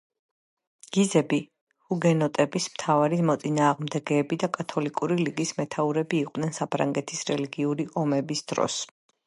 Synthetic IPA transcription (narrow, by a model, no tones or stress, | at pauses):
ɡ̥izɛbi | huɡɛnɔt̪ʼɛbismt̪ʰavaɾimɔt̪sʼinaːʁmd̪ɛɡɛːbid̪akʼat̪ʰɔlikʼuɾiliɡismɛt̪ʰauɾɛbiːqʼd̪nɛnsapʰɾa̰ŋɡɛt̪ʰisɾɛliɡiuɾiʔɔmɛbisd̪̥ɾɔ̰s